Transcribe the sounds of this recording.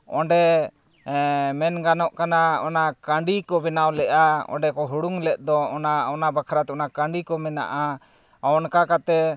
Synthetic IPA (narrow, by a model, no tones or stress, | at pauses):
ɔ̃ɖɛ | mɛnɡanɔʔkanaɔnakaɳɖikɔbɛnawlɛʔaɔ̰̃ɳɖɛkɔɦuɽuŋlɛʔ̪̚ˀd̪ɔɔnaɔnabakʰaɾat̪ɛɔnakaɳɖikɔmɛna̰ʔa | aɔnkakat̪ɛ